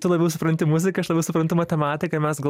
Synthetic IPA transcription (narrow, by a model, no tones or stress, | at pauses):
t̪ʊlˠɐbʲɛʊsʊpɾɐnt̪ʲɪmʊzʲɪkɐɐʃlˠɐbʲɛʊsʊpɾɐnt̪ʊmɐt̪ʲɛmɑːt̪ʲɪkɐmʲɛsɡɐl